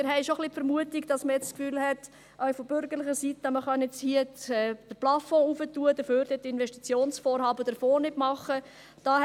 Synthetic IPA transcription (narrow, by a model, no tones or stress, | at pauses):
mɪɾɦɛɪʃoχlipfəɾmuətiɡd̥ɑsməjɛt͡sskfyːlhɛt | ʔœɥfɔb̥ʏɾɡəɾlɪχəsitəməχɑnjɛt͡shiəɛːd̥əɾplɑfɔ̃ːufətuəd̥̪əføːɾd̥ɛtɪnʋɛʃtit͡sjoːnsfɔːɾhɑːbəd̥əɾfoːnɪtmɑχə | d̥ɑː